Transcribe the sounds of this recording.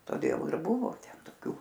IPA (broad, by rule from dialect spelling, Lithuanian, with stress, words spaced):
toːˈdʲeːlˠ ɪr ˈbʊʋoː ˈtʲɛn toːˈkʲʊ